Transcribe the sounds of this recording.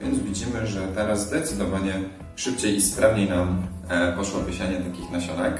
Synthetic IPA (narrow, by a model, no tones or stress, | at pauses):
vʲjɛ̰nd̪zvʲid͡ʑimɘʐɛt̪ɛɾazzd̪ɛt̪sɘd̪ɔvaɲɛ | ʂɘp̚t͡ɕejispɾavɲejnam | pɔʂwɔbʲɘɕaɲɛt̪akʲixnaɕɔnɛk